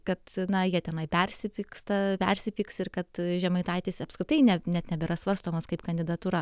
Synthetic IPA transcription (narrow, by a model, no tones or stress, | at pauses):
kɐt̪nɐjiɛt̪ʲɛnɐɪpʲɛɾʲsʲɪpʲiːkst̪ɐpʲɛɾʲsʲɪpʲiːksɪrkɐt̪ʒʲɛmɐɪt̪ɐɪt̪ʲɪsɐpskɾʲɪt̪ɐɪnʲɛnʲɛt̪nʲɛbʲɛɾɐsʋɐrst̪oːmɐskɐɪpkɐnʲd̪ʲɪd̪ɐt̪uːɾɐ